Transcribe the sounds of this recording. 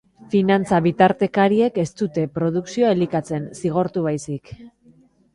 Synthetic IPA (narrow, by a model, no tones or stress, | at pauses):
finant͡saβit̪aɾt̪e̞kaɾie̞ke̞st̪ut̪e̞pɾo̞ðuksioaelikat͡se̞nsiɣ̞o̞ɾt̪uβajsik